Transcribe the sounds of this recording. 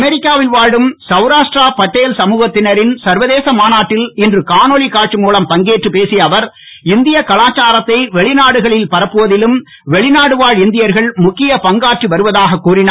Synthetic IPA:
mɛɾɪkːaːʋɪlʋaːɻɯmsɐʋɾaːʂʈraːpɐʈːeːlsɐmuːɣɐt̪ːɪnɐɾɪnsɐɾʋɐðeːsɐmaːnaːʈːɪlɪndrɯkaːnoɭikaːʈt͡ʃɯmuːlɐmpɐŋɡeːʈrɯpeːsijɐʋɐɾ | ɪnd̪ɪjɐkɐɭaːt͡ʃːaːɾɐt̪ːɐɪʋɛɭɪnaːɽɯɣɐɭɪlpɐɾɐpːɯʋɐðɪlɯm | ʋɛɭɪnaːɽɯʋaːɻɪnd̪ɪjɐɾɣɐɭmʊkːɪjɐpɐŋɡaːʈriʋɐɾɯʋɐðaːɣɐkːuːrɪna

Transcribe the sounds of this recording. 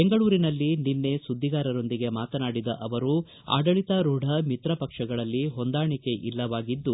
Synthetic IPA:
beŋɡɐɭuːɾinɐlːininːe̞sud̪ʱːiɡaːɾɐɾo̞nd̪iɡe̞maːt̪ɐnaːɽid̪ɐʔɐʋɐɾu | a̰ːɖɐɭit̪ɐɾuɖʱɐmit̪ɾɐpɐkʂɐɡɐɭɐlːiɦo̞nd̪aːɳike̞ʔilːɐʋaːɡid̪ːu

